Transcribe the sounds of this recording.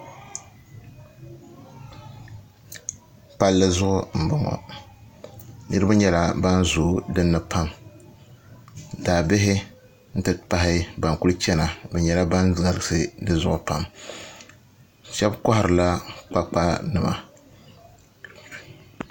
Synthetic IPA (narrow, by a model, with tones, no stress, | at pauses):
pa˦lːɨ˦zʊ˦ʔʊ˦m̩˨bɨ˦ŋɔ̰˨ | nɨ˦ɾɨ˦ba˦ɲɛ˦la˦ba˦nzʊː˨dɨ˦nːɨ˨pʰa˦m | daː˨bɪ˦ɦɪ˦ | n̩˦tɨ˨pa˦ɦɪ˦ba˨ŋku˦lɨ˦t͡ʃɛ˦na˨bɛ˨ɲɛ˨la˦ba˦nza˨lɨ˨sɨ˦dɨ˦zʊ˦ʔʊ˨pa˦m | ʃɛ˦bkɔ˦hɪ˨ɾɨ˨la˦k͡pa˦k͡pa˦nɨ˨ma̰˨